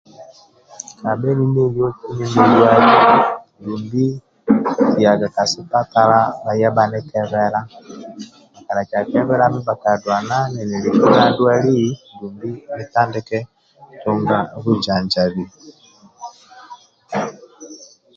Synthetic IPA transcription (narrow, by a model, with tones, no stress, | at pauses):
ka˨bɛ˦ni˦ne˦ljɔ˦ki˦ni˦mi˦dwa˦li˦ndu˨mbi˦ | ija˨ɡa˨ka˨si˨ta˦ta˦ɾa˦βa˨ja˦ba˦nɛ˦kɛ˦βɛ˦ɾa˦ | a˨ka˨ɾa˨t͡ʃi˨a˨kɛ˦βɛ˦ɾa˦mi˦ba˨ka˨dwa˨na˦nɛ˨nɛ˨li˨ku˦ɾa˦dwa˦li˦ndu˨mbi˦mi˦ta˦ndɛ˦kɛ˦ | tu˦ŋɡa˦ɣu˦d͡ʒa˨ɲd͡ʒa˨βi˨